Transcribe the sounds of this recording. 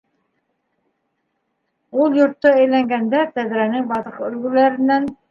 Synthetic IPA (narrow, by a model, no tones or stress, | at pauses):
ulˠjŏɾt̪ːɑæjlæŋɡænd̪æt̪æd̪ɾænɪŋbɑðɤqɵlɡɘlæɾɪ̆nːæn